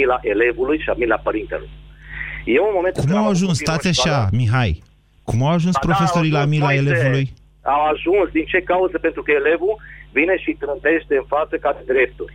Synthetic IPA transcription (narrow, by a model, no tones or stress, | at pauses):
ilaʔele̞vulujʃiamilapəɾint̪ḛlṵj | jeunmomenk̪kumawaʒunst̪at̪sʲaʃamiɦaj | kumawaʒunspɾo̞feso̞ɾilamilaelevuluj | awaʒunsd̪int͡ʃe̞kauzəpent̪ɾukəele̞vuvine̞ʃit̪ɾɨnt̪e̞ʃt̪e̞ɨnfat̪səkad̪ed̪ɾe̞p̚t̪urʲ